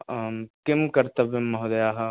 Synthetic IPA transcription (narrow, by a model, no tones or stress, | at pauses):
kɪmkɐɾt̪ɐbemːɐɦod̪ɐjaːɦɐ